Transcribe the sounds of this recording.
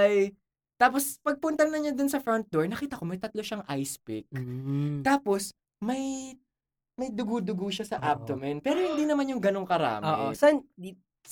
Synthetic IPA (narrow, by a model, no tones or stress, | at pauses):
ɐj | t̪aːpospɐɡ̚pʊnt̪ɐnɐɲad̪ʊnsɐfɾɔnt̪̚d̪oɹnɐkiːt̪ɐko̞mɐjt̪ɐt̪lo̞ʃaŋʔajspɪk̚t̪aːpo̞s | mɐj | mɐjd̪ʊɡud̪ʊɡuʃasɐʔab̚t̪omɛnpɛːɾohɪnd̪iːnɐmanjʊŋɡɐnoŋkɐɾa̰ːmɪsɐʔnd̪i